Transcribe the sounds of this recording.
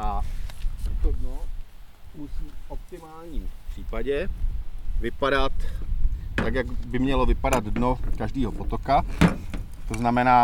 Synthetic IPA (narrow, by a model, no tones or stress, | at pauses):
ʔa | ɛt̪odnoplusuːfʔop̚t̪ɪmaːlɲiːmpr̝̥iːpaɟɛ | vɪpaɾat̪ | t̪akjaɡbɪmɲɛlo̞vɪpadad̪dno̞kaʒdiːɦo̞pot̪o̞ka | t̪o̞znamɛnaː